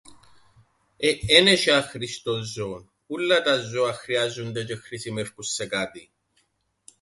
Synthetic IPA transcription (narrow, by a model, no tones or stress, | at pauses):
eʔeneʃɐxɾist̪ozon | ulːɐt̪ɐzoɐxɾiɐzund̪et͡ʃexɾisimefkusːekɐt̪i